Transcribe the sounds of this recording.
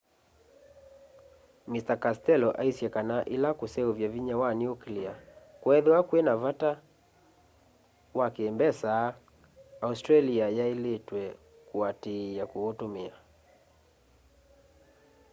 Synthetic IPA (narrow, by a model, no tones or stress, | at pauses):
mistakastɛlɔʔaisjɛkanaʔilakusɛuvjaviɲawanjuklia | kwɛðɛakwɛnavata | wakembɛsa | austɾaliajailetwɛ | kuatijakuotumia